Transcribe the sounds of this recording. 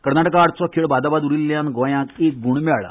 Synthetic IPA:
kəɾnaʈəkaːʈ̪t͡sɔkʰiɭbad̪abad̪uɾilːjãnɡɔ̃jãkek̚ɡuɳmɭa̰

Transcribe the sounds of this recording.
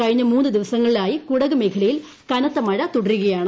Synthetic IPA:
kɐɻiɲːɐmuːnːɨd̪iʋɐsɐŋːɐɭilaːjikuɽɐɣɐmekʰɐɭɐjil | kɐnɐt̪ːɐmɐɻɐt̪uɽɐruɣɐjaːɳɨ

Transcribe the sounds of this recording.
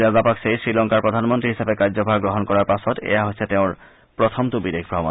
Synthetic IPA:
azapaksejsɾilɔŋkaɾpɾod̪ʱanmont̪ɾiɦiʃabekaɾd͡ʑobʱaɡɾoɦonkɔɾaɾpasot̪ḛjaɦotːɕʰet̪eõɾ | pɾot̪ʰomt̪ubid̪ekʰbɾɔɦmo

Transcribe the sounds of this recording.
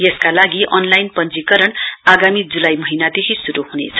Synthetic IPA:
jeskalaɡiʔʌnlajnpʌnt͡sikʌɾʌɳaɡamid͡zulajmʌɦinad̪ekʰisuɾuɦunet͡sʰʌ̥

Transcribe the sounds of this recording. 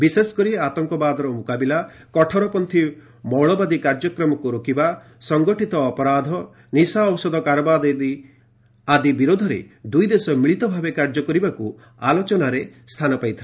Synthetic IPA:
bisesɔ̥kɔɾieat̪ɔŋkɔbad̪ɔɾɔmukabilakɔʈʰɔɾɔpɔnt̪ʰi | mɔwɭɔbad̪ikaɾd͡ʒɔkɾɔmɔkuɾokiba | sɔŋɡɔʈit̪ɔːpɔɾad̪ʱɔ | nisaɔwsɔd̪ɔkaɾɔbad̪ed̪i | ad̪ibiɾod̪ʱɔɾḛd̪ujd̪esɔmiɭit̪ɔbʱabekaɾd͡ʒɔkɔɾibaku | alot͡ʃɔnaɾest̪ʰanɔpajt̪ʰil

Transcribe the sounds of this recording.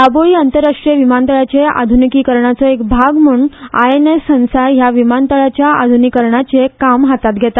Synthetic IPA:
aboɭiːənt̪əɾːaʂʈɾijəʋimant̪əɭat͡ɕea̰d̪ʱunikiːkəɾɳat͡sɔekbʱaɡm̤uɳa̰enesə̃w̃sajaʋimant̪əɭat͡ɕjaa̰d̪ʱunikəɾɳat͡ɕekamɦat̪at̪̚ɡʱɛt̪a

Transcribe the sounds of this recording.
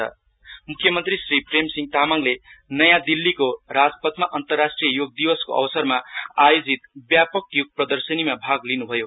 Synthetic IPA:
ʌ̰ | mukʰːjʌmʌnt̪risripremsiŋɡ̚t̪amaŋlenʌjãd̪ilːikorad͡zpʌt̪maʔʌnt̪ʌrːasʈrijʌjoɡ̚d̪iwʌskoʔʌ̰wʌsʌrmaajod͡zit̪bjapʌkjuɡ̚prʌd̪ʌrsʌnimabʱaɡlinubʱʌjo

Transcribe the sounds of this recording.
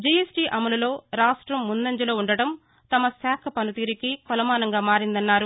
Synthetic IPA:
d͡ʒijesʈiːʔɐmɐlɐlo̞ːɾaːʂʈɾɐmːunːɐɲd͡ʒɐlo̞ːuɳɖɐɽɐm | t̪ɐmɐsaːkʰɐpɐnut̪iːɾikikɔlɐmaːnɐŋɡaːmaːɾind̪ɐnːaːɾu

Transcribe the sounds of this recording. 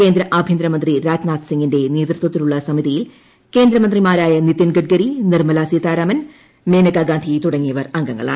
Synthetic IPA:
ke̞ːnd̪ɾɐʔabʱjɐnd̪ɾɐmɐnd̪riɾaːd͡ʑnaːt̪siŋɡinde̞neːt̪rɨt̪wɐt̪ːiluɭːɐsɐmiðijil | keːnd̪ɾɐmɐnd̪rimaːɾaːjɐnit̪ːɐnɡɐʈ̚ɡɐɾinirmɐlaːsijɐt̪aːɾaːmɐn | meːnɐkaːɡaːnd̪ʱijt̪uɽɐŋːijɐʋɐrɐŋɡɐŋːɐ̰ɭa̰ːɳɨ

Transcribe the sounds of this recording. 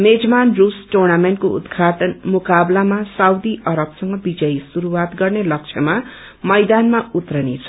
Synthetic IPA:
med͡zmanrusʈornamenʈ̚koṵd̪ɡʱaʈʌnmukablamasawd̪iʔʌɾʌbsʌŋɡʌbid͡zʌjsuɾuwat̪ɡʌrnelʌk̚t͡ʃʰʌma | mʌjd̪anmaut̪rʌnet͡sʰʌ̥

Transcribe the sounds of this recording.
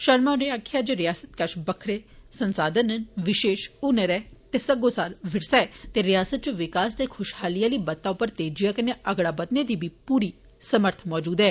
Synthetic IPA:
ʃəɾmaːnẽaːkʰɪjaːd͡ʒeːɾɪjaːsət̪kəʃbəkʰɾeːsənsaːd̪ənənʋɪʃeːʃʊnəɾɛːt̪eːsəɡoːsaːɾʋʱɪɽsɛːt̪eːɾɪjaːsət̪̚t͡ʃʋɪkaːst̪ekʰʊʃhaːlijaːliːbɐt̪ːaʊpːəɾt̪eːd͡ʒijakɐneʔəɡɽaːbət̪ned̪iːbʱiːpuːɾiː | səməɾt̪ʰmɔːd͡ʒuːd̪ɦɛː

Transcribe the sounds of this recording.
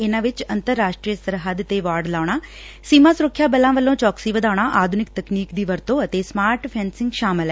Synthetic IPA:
ɪnãːʋɪt͡ʃənt̪əɾːaːʃʈɾiːjəsəɾɦəd̪t̪eːʋaːɾɖlaːɽ̃aː | siːmãːsʊɾʊkʰːjaːbəlãːʋəlːõːt͡ʃɔːksiːʋəd̪aːʊɽ̃aːʔaːd̪ʱʊnɪk̚t̪əkniːkd̪iːʋəɾt̪õːət̪eːsmaːɾʈpʰɛ̃ːnsɪ̃ŋɡʃaːmɪlɛː

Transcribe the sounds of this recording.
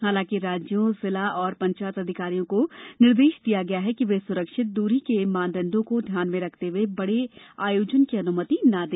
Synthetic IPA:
ɦaːlãːkiɾaːd͡ʒjõsɪlaɔːɾpɐ̃ɲt͡ʃaːjət̪ɐd̪ʱɪkaːɾijõkonɪɾd̪eːʃd̪ijaɡɐjaɦɛkiʋesʊɾəkʃɪt̪̚d̪uːɾikemãːnd̪ə̃nd̪õkod̪ʱjaːnmẽɾɐkʰt̪eɦuebɐɽeaːjoːd͡ʒənkiɐnʊmət̪inad̪eː

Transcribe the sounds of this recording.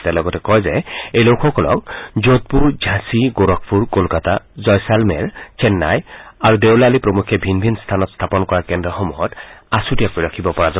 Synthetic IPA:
tɛlɔɡɔtɛkɔjzɛejlowkʰɔkɔlɔ̰k̚zot̚puɹd͡ʒʱãsiɡoɹɔk̚ʰpʰuɹkolkatazɔjsalmɛɹt͡ʃʰɛnːa̰jaɹudewlalipɹɔmukʰːjɔbʱinbʱinst̪ʰanɔtst̪ʰapɔnkɔɹakɛndɔxɔmujɔtasutijakoiɹakʰibɔpɔɹazɔ

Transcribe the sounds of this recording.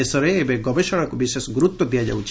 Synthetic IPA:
esɔɾeːbeɡɔbeʃɔɽakubiʃesɡɾut̪ːɔd̪ijad͡ʒa̰wt͡ʃʰ

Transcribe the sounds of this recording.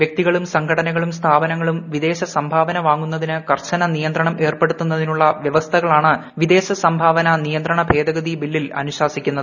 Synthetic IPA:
ʋjɐk̚t̪iɣɐɭumsɐŋɡʰʱɐɽɐnɐɣɐɭumst̪ʰaːbɐnɐŋːɐɭumʋid̪e̞ːɕɐsɐmbʱaːbɐnɐʋaːŋːunːɐðinɨkɐrt͡ɕɐnɐnijɐnd̪ɾɐɳɐmʔe̞ːrpe̞ɽut̪ːunːɐðinuɭːɐʋjɐʋɐst̪ʰɐɣɐɭaːɳɨʋid̪e̞ːɕɐsɐmbʱaːʋɐnɐnijɐnd̪rɐɳɐbʱe̞ːd̪ɐɣɐðibilːilɐ̰nuɕaːsikʲːunːɐðɨ

